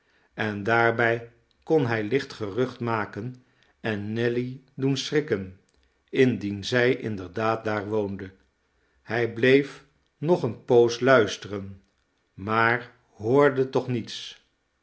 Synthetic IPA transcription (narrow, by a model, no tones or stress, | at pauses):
ɛndaːɹbɛj | kɔnɦɛjlɪχtχərɵχtmaːkən | ɛnːɛli | dunsrɪkən | ɪndinzɛjʔɪ̰ndəɹdaːt̚daːɹʋowndə | hɛjblejf | nɔχənpowslœɥstərən | maːɹ | ɦoːɹdətɔχnits